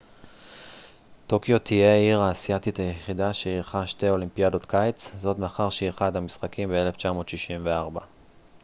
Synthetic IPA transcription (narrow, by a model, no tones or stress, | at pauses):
to̞kjo̞t̪ʰije̞iʁaːsiatit̪ajeχidaʃeiʁχaʃte̞jo̞limpiado̞t̪kʰajt͡szo̞tmeaχaʁʃieχadhamisχakimbee̞le̞ft͡ʃamo̞ːt̪ʃiʃimveaʁba